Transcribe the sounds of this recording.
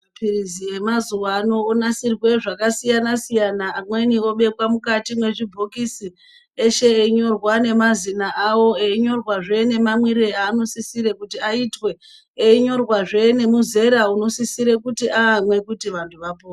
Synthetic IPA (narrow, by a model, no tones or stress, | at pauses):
pirizije̞mazuwaːno̞ːnasirwe̞ʐakasijanasijanaːmwe̞nio̞ɓe̞kwamukatimwe̞ʐibʱokisi | eʃe̞eiɲo̞rwane̞mazinaʔawo̞eiɲo̞rwaʐe̞ne̞mamwiɾeaːno̞sisiɾe̞kutiaitwe̞ | eiɲo̞rwaʐe̞ne̞muze̞ɾauno̞sisiɾe̞kutiʔaːmwe̞kutiʋantʰuʋapo